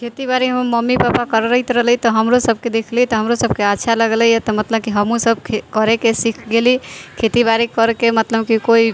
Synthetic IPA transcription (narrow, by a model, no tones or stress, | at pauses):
kʰet̪ibaɾiɦəmməmːipapakəɾɾəɪt̪ɾəɦlit̪ɔɦəmɾosəb̚ʱked̪ekʰlit̪ɔɦəmɾosəb̚keatːʃʰaləɡləjt̪ɔmət̪ləb̚kiɦəmũsəb̚kʰkəɾekesikʰɡelikʰet̪ibaɾikəɾkemət̪ləbkikoi